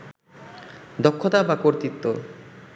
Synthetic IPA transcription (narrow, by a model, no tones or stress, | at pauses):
d̪okʰːot̪abakoɾt̪it̪ːo